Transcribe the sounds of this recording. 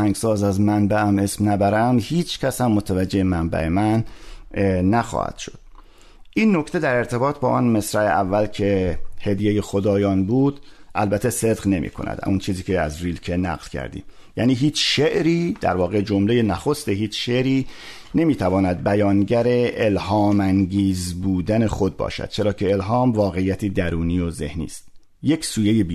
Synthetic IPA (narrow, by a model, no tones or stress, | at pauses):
hæŋɡsɒːzæzmænbææme̞smnæbæɾæmhiːt͡ʃʰcʰʲæshæmːot̪ʰævæd͡ʒːeemæmbæ̰ʔe̞mænː | æxɒ̰hæ̰d̪̥ʃod̪̥ | ʔiːnːo̞kt̪ʰe̞d̪æɾe̞ɾt̪ʰe̞bɒːt̪ʰbɒːʔɒːnme̞sɾæeʔævːælcʰe̞he̞d̪jejexod̪ɒːjɒːnbuːd̪ʔælbæt̪ʰːese̞d̪ɣne̞mʔḭːkʰo̞̰næ̰d̪unt͡ʃʰiːziːkʰeæ̰zriːlcʰenæ̰ɣlcʰæ̰ɾd̪ḭːm | jæːniːɦiːt͡ʃʃeʔɾiːd̪̥æ̰ɾvɒːɣed͡ʒomle̞jenæxo̞st̪eɦiːt͡ʃʃeɾiː | ne̞miːt̪ʰævɒːnæd̪̚bæjɒːnɟæɾe̞ʔelhɒːmæŋɟiːzbuːd̪ænexo̞d̪̚bɒ̰ːʃæ̰d̪̥t͡ʃʰe̞ɾɒːcʰe̞elɦɒːmvɒːɣe̞ijːæt̪ʰiːd̪æɾuːniːjoze̞̰hnḭːst̪ | je̞csuːjejebi